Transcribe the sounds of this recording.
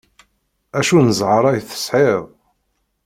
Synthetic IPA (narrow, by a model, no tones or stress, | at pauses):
æʃunəzʕəɾˤɑjθə̥sħeðˤ